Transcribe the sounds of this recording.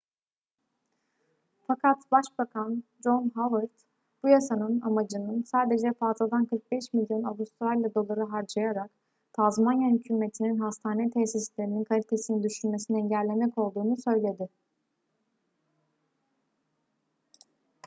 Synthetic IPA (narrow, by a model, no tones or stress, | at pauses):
fakʰat̪baʃbakʰand͡ʒo̞nɦavɯɾt̪ | b̥ujasanɯnamad͡ʒɯnɯnsaːd̪e̞d͡ʒɛfazad̪ankʰɯɾk̚bɛʃmilʲjo̞nabust̪ʰualʲːad̪o̞lˠaɾɯɦaɾd͡ʒajaɾak | t̪ʰazmanjahycʰyme̞t̪ʰininɦast̪ʰaːnɛt̪ʰɛsislʲe̞ɾininkʰalʲit̪ʰe̞sinind̪yʃynme̞siniɛɲɟælʲːe̞mɛco̞lˠd̪uːnusø̞jlʲe̞d̪ɪ